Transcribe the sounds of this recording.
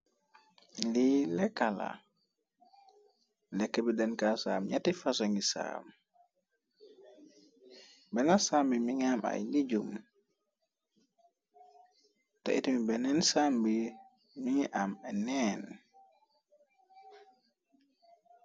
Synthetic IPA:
lilɛkala̰ | lɛkːɛbidɛnkasamjatifasoŋisa̰m | bɛnasambimiŋama̰jlid͡ʒum | ta̰ʔḭtimibɛnɛnsambi | miŋʔamɛnɛn

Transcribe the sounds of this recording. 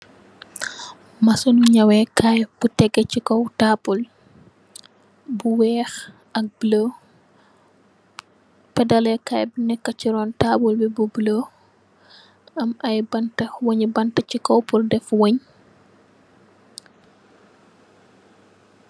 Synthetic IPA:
mɐsɔnuɲɐwɛkʰajb̥utɛɡɛcikɔwtaːpul | buwɛːx | ʔɐk̚blo | pɛdɐlɛkajbunɛkːɐciɾɔːntabulbibublo | ɐmɐjbɐntɐwoɲibɐntɐcikɔwpuldɛfwoɲ

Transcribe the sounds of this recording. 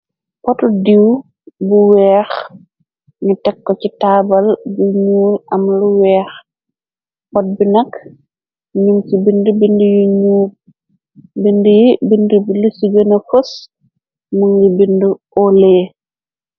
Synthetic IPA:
pɔtudiw | buwɛːx | ɲitɛkːɔcitaːbɐlbuɲuːlɐmluwɛːx | pɔt̚binɐk | ɲumsibindubindujuɲuːl | bindujibindubilusiɡənɐfos | muŋɡibindu | ɔleː

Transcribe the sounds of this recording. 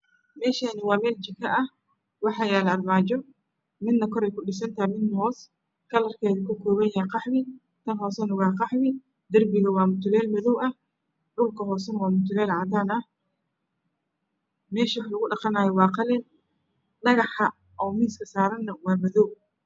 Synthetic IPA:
mɛːʃaːnɪwɑːmɛːlt͡ʃɪkʰɐʔɐh | wɑħɑjaːlɐrmaːt͡ʃɔ | mɪd̪nɐkʰɔɾɛjkʰʊɗɪsɐnt̪ʰɐmɪd̪nɐɦɔːs | kʰɐlɐrkʰɛːðɪkʰʊkʰɔːβɐnjaqɑħmɪ | t̪ʰɐnɦɔːsɛnɐwɑːqɑħmɪ | d̪ɐrbɪɣɐwɑːmʊt̪ʰʊlɛːlmɐðɔwɐ | ɗʊlkʰɐɦɔːsɛnɐwɑːmʊt̪ʰʊlɛːlʕɑd̪aːnɐh | mɛːʃɐwħlɐɣʊɖɑqɑnaːjɔwɑːqɑlɛn | ɗɐɣɑħɐ | ʔɔːmiːskʰɐsaːɾɐnːɐwɑːmɐðɔw

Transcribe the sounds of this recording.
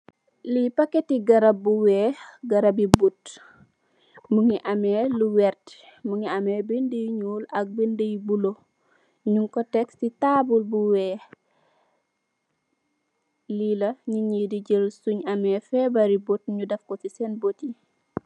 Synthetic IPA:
lipɐkːetiɡɐɾɐbːuwɛːɡɐɾɐbibut | muŋiʔɐmeːluwɛɾt | muŋiɐmebindəjɲuːlɐk̚bindəjbulo | ɲuŋkɔtɛksitabulbuwɛː | lilɐɲiɲidiɟəlsuɲɐmɛfɛbɐɾibot̚ɲudɐfkosisɛnboti

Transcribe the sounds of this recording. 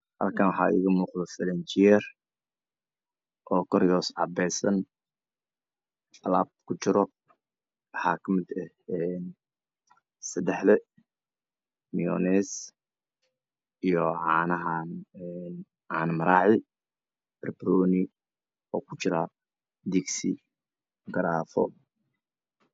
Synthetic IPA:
hɐ̰lkʰɐnwɑħɑ̰ːʔɪ̰ːɣɐmuːqðɔfɐlɛnt͡ʃɪɛr | ʔɔːkʰɔɾjɔːsʕɑ̰bɛjsɐn | ɐlaːb̚kʰʊt͡ʃɪɾɔ | wɑħɑːkʰɐmɪd̪ɛhɛn | sɐd̪ɛħlɛ | mijɔnɛːs | ʔijɔʕɑːnɐɦaːnɛn | ʕaːnmɐɾaːʕɪ | brbrɔːnɪ | ɔːkʰʊt͡ʃɪɾaː | d̪iksi | ɡɐɾaːfɔ̰

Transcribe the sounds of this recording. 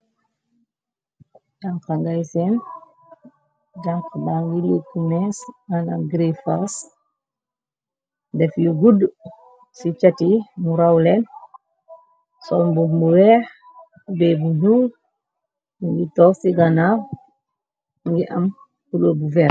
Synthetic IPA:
d͡ʒaŋkaŋɡajsɛn | d͡ʒaŋkbaŋɡilikumɛsɡana̰mɡɾifas | dɛfjuɡud | sit͡ʃatimuɾawlɛn | sɔlmbumuwɛɾ | ubɛːbuɲul | uŋɡitɔːsiɡana | ŋɡiʔɐm | kulobuvɛɾ

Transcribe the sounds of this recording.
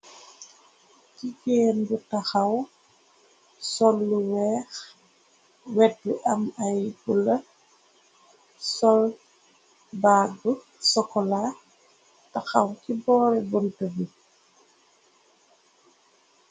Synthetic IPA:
kiɡeːnbutaxaw | sɔlːuwɛːx | wɛdːuʔɐmajbulɐ | sɔl | baːɡu | sɔkɔla | taxawkibɔːɾɛbuntəbi

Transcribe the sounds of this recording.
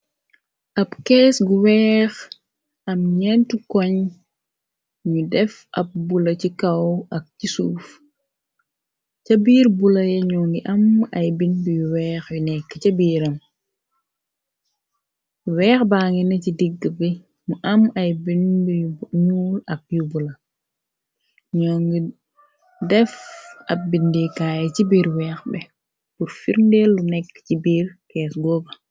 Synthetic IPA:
ʔɐpkɛːsɡuwɛːx | ɐmɲɛntukɔɲ | ɲudɛf | ʔɐ̰p̚bulɐcikɐwɐk̚cisuːf | cɐbiːɾbulɐjɛɲuŋɡiʔɐmɐjbinbujuwɛːxjunɛkːəcɐbiːɾɐm | wɛːxbaːŋinɐcidiɡəbɛ | muʔɐmɐjbindɲuːlɐk̚jubulɐ | ɲɔːŋɡi | dɛfɐp̚bindikaːjɛt͡ʃibiːɾwɛːxbɛ | puɾfiɾndɛlːunɛkːcibiːɾkɛːsɡɔbɐ

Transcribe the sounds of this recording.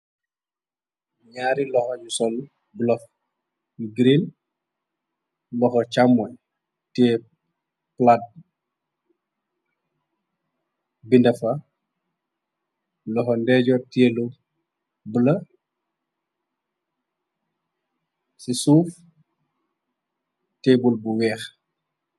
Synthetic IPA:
ɲaɾilɔxɔɟusɔl | bulɔf | ɡɾin | lɔxɔt͡ʃamːɔj | tɛ | plad̚ | bindɐfɐ | lɔxɔndɛɟɔtɛːlu | bulɐ | sisuːf | tɛbulbuwɛːx

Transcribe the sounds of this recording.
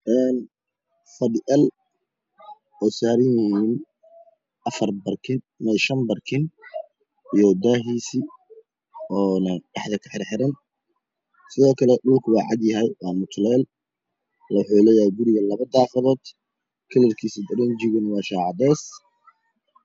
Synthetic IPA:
ʔɛːn | fɐdɪʔɐl | ɛjsaːɾɪnɪhiːn | ʔɐfɐrbɐrkʰɪn | mɛʃɐmbɐrkʰɪn | ijɔd̪aːɦiːsi | ɔːnɐɖɑħðɐkʰɐħɪɾħɪɾɐn | sɪðɔːkʰɐlɛɖʊlkʰʊwɑːʕɑ̰d̪jɐɦɛjwɑːmʊt̪ʰlɛːl | lwʊħuːlɛːjɐhɛjɡʊɾɪɣɐlɐβɐd̪aːfɐðɔːd̪̥ | kʰɐlɪrkʰiːsɪd̪ɐɾɛnd͡ʒɪɣʊnwɑːʃɑːʕɑd̪ɛːs

